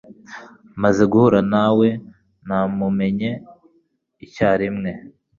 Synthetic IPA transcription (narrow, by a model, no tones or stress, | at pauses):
mazeɡuhuɾanawe̞ | namume̞ɲe̞ | icaːɾimŋe̞